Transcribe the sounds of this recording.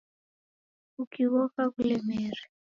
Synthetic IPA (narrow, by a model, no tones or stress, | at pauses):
ukiwɔfakulɛmɛːri